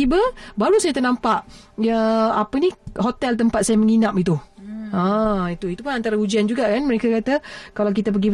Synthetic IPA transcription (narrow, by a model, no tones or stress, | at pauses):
ibəbaɾusajat̪ənampaʔjaapəniɦot̪ɛlt̪̬əmpat̪̚sajaməŋinap̚it̪uãit̪uit̪upʊnant̪aɾahud͡ʒiand͡ʒuɡaʔkanməɾekakat̪akalawk̬it̪ap̬əɡi